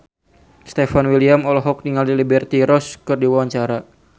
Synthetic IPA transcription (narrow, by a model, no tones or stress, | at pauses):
st̪efanwiliamɔlɔɦɔk̚niŋaldilibɛrt̪iɾɔskɨrdiwawaɲt͡ʃaɾa